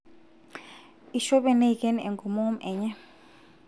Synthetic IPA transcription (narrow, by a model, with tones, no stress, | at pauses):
i˨ʃɔ˦ɓɛ˨ne˦i˨kʼɛ˦n˨ɛ˨ŋɡɔ˨mɔ˦mʔɛ˨ɲɛ˦